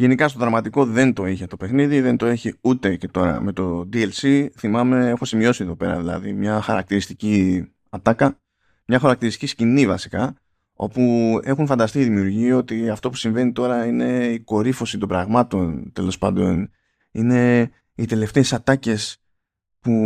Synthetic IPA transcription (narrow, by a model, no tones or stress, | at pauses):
ʝe̞nikɐst̪o̞ðɾɐmɐt̪iko̞ðe̞nt̪o̞içet̪o̞pe̞xniðiðe̞nt̪o̞e̞çiut̪e̞ce̞t̪o̞ɾɐ̰me̞t̪o̞d̪ielsiθimɐme̞e̞xo̞simio̞sieðo̞pe̞ɾɐ̰ðilɐ̰ðimɲɐxɐɾɐk̚t̪iɾist̪ici | ɐt̪ɐkɐ | mɲɐxɐɾɐk̚t̪iɾist̪iciscinivɐsi̥kɐ | o̞pue̞xunfɐnd̪ɐst̪iiðimiuɾʝio̞t̪iɐft̪o̞pu̥siɱve̞nit̪o̞ɾɐine̞iko̞ɾifo̞sit̪o̞mbɾɐɣmɐt̪o̞nt̪e̞lo̞spɐ̰nd̪o̞n | ine̞ | it̪e̞le̞ft̪e̞ːsɐt̪ɐce̞s | pu